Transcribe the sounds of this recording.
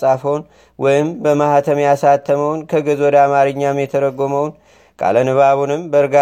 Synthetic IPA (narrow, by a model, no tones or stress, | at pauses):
sʼafəwn | wʔɔjɪmbəmahat̪ʰəmasat̪ʰːəməwnkʰəɡɨzwɔd̪amaɾɨɲːamjɛt̪ʰəɾəɡːoməwn | kʼa̰lənɨβaβunɨmbəɾɨɡa